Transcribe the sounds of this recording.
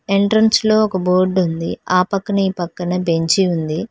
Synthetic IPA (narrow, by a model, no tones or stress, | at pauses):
eɳʈɾɐnslo̞ːɔkɐboːɾɖund̪iaːpɐkːɐnɐiːpɐkːɐnɐbe̞ɲt͡ʃiund̪i